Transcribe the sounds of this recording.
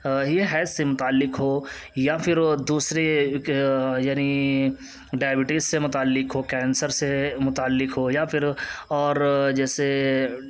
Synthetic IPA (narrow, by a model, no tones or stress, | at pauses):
jeɦɛːt̪ʰsemʊt̪aːlːɪkɦoː | japʰɪɾd̪uːsɾe | jaːni | ɖaːjbɪʈɪssemʊt̪aːlːɪkɦoːkɛːnsəɾsemʊt̪aːlːɪkɦojapʰɪɾɔːɾd͡ʒɛːse